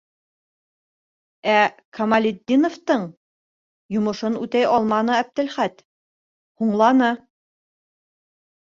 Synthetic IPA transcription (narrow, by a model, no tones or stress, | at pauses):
ækʰɐmalʲid̪ʲːinoft̪ɤɴ | jŏmɤ̆ʃɤnʉt̪æjʔɑlˠmɑnɤæb̚d̪ɘ̆lχæt̪ | huɴlˠɑnɤ